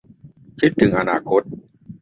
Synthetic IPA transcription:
k̪ʰi˦˥t̪ʰːɯ˩˦ŋʔa˧na̰ː˧kʰo˦˥t̪̚

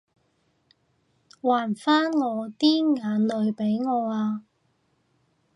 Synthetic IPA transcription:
waː˨˩nfaː˥nŋɔː˨˧t̪iː˥nŋaː˨˧nlɵ˨˧ɥpe˨˥jŋɔː˨˧aː˧

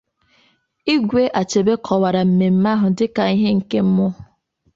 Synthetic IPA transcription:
i˦ɡʷe˦ʔa˨t͡ʃe˨be˦kʰɔ˨wa˨ɾa˨m̩˨me˨m̩˦ma˦ɦʊ˨dɪ˦ka˨i˦ɦe˦ŋ̩˨ke˦m̩˦mʊ˦˨

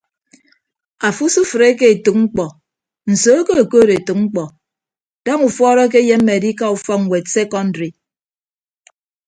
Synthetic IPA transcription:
a˨fu˦su˦fɨ˨ɾe˦ke˦e˨tu˨k̚ŋ͡m̩˦k͡pɔ˨ | n̩˨so˨˦ko˦e˨koː˦ɾe˨tu˨k̚ŋ͡m̩˦k͡pɔ˨ | d̥a˦ŋu˨fɔː˦ɾɔ˦k̬e˦je˦m̩ː˦e˨di˦ka˦u˨fɔ˦ŋ̩˨we˨t̚se˦kɔ˦n˦dɾi˨

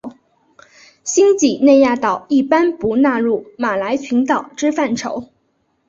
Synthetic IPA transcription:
ɕi˥ŋt͡ɕi˨˩ne˥˧ɪja˥˩t̪ɑ˨˩ʊi˥˩pa˥npu˧˥na˥˧ɻu˥˩ma˨˩la˧˥ɪt͡ɕʰy˧˥nt̪ɑ˨˩ʊʈ͡ʂɻ̩˥fa˥˩nʈ͡ʂʰo̰˧˥ʊ

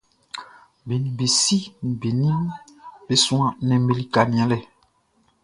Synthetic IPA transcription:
bi˨ni˨be˨si˦n˨be˨nĩ˦mbe˦sũ˦ã˦nɛ̃˨m˦be˦li˦ka˨nĩ˨ã˦lɛ˨

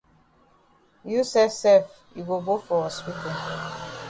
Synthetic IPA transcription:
ju˦sɛ˦sɛ˦˨f | i˨ɡo˨bo˦fɔ˨ɔ˨swi˦te˨

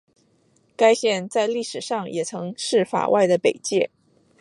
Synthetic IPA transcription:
ka˥ɪɕjɛ˥˧nt͡sa˥˧ɪli˥˩ʂɻ̩˨˩ʂɑ˥˩ŋjʔɛ˨˩t͡sʰɤ˧˥ŋʂɻ̩˥˩fa̰˨˩wʔa˥˩ɪd̪ə˩pe˨˩ɪt͡ɕjɛ˥˩

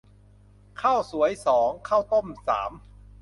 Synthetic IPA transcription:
kʰaː˥˩wsu˩˦əjsɔː˩˦ŋkʰaː˥˩wt̪o˥˩msa̰ː˩˦m

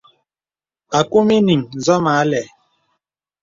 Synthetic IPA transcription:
a˨ku˦mi˦ni˨ŋzɔ˦ma˨˦lɛ˨

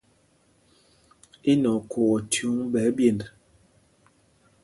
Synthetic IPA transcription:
e˦nɔ˨kʰo˨ɔ˨tʰju˨˦ŋbɛ˨˦bje˦˨nd

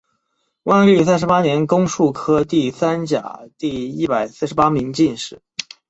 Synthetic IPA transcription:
wʔa˥˧nly˥˩s̬a˥˧nʂ̬ɻ̩˧pa˥njɛ˧˥nkʊ˥ŋʂu˥˩kʰɤ˥t̪i˥˩sa˥nt͡ɕja̰˨˩t̪i˥˧i˥˩pa˨˩ɪsɹ̩˥˩ʂɻ̩˧˥pa˥mi˧˥ŋt͡ɕi˥˧nʂɻ̩˥˩

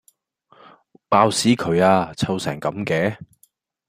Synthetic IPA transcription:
paː˧wsiː˨˥kʰɵ˨˧ɥaː˧t͡sʰɐ˧wsɛ̰ː˨˩ŋkɐ˨˥mkɛː˨˥

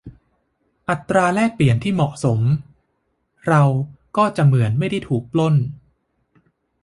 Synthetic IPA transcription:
ʔa˨˩t̪ːɾaː˧lɛː˥˩k̚pli˨˩ənt̪ʰiː˥˩mɔ˨˩ʔso˩˦m | ɾa˧wkɔː˥˩t͡ɕa˨˩mɯ˩˦ənma˥˩jda˥˩jt̪ʰuː˨˩k̚plo˥˩n

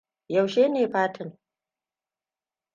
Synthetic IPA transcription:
jɐ˨wʃeː˦neː˨ɸaː˦tʰɪ˨n

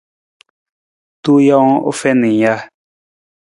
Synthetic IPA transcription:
t̪u˦jã˦o̰˦fɛ˦nĩ˨ja˦

